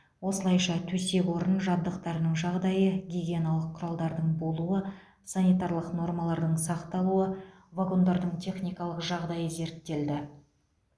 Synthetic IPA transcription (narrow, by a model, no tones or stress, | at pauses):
wo̞səlˠɑjʃɑt̪ʰɵse̞kwo̞ɾənʒɑb̚d̪əqt̪ɑɾənəɴʒɑʁd̪ɑjəɡʲiɡʲienɑlˠəqʰːʊɾɑlˠd̪ɑɾd̪əɴbo̞lˠuə | sanijt̪ɑɾlˠəqno̞rmɑlˠɑɾd̪əɴsɑqt̪ɑlˠuə | vaɡo̞nd̪ɑɾd̪əɴt̪ʰʲe̞χnʲijkɑlˠəqʒɑʁd̪ɑjəze̞ɾt̪ːe̞ld̪ɪ